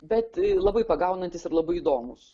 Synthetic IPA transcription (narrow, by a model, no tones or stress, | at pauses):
bʲɛt̪lˠɐbɐɪpɐɡɐʊnɐnʲt̪ʲɪsɪɾlˠɐbɐɪid̪oːmʊs